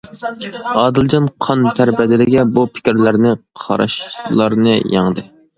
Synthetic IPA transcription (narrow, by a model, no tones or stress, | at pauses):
ɑːd̪ɨlˠd͡ʒɑnqʰɑnt̪ʰæɾbɛd̪ɪd̪ɪɡʲɛbupʰɪ̥kʲɪɾlæɾnɪqʰɑ̰ɾɑ̰ʃlˠɑɾnɨjɑŋd̪ɨ